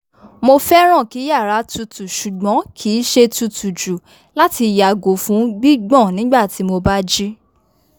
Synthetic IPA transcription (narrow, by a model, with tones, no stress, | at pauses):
mo˧fɛ˦ɾ̃ɔ̃˦˨ki˨˦ja˦˨ɾa˨˦tu˧tu˨ʃu˨ɡ͡bɔ̃˨˦kʰi˨˦ʃe˧tu˧tu˨d͡ʒu˨ | la˦ti˧˨ja˨ɡo˨˦fũ˦ɡ͡bi˦ɡ͡bɔ̃˦˨nĩ˦ɡ͡ba˦˨ti˨˦mo˧ba˦d͡ʒi˦